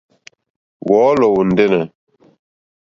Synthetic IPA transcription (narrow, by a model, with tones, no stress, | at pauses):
wɔː˦lo˨wu˨nd̪e˦ne˨